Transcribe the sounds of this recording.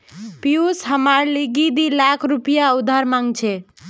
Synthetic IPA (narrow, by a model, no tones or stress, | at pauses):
piusɦəmaɾliɡid̪ilakʰɾupijaud̪ʱaɾmãŋɡt͡ʃʰɛ